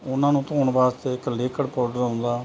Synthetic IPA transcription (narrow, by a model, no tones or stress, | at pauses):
ʊnːãːnũːt̪õːɳbaːst̪eːɪkleːkəɽpɔːɾɖəɾãːnd̪aː